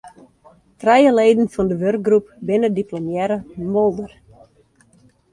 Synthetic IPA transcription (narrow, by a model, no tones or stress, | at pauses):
trɛjəleːdən̩fɔndəʋørk̚ɡrup̚bɪnədiplomjɛɾəmɔlˠdər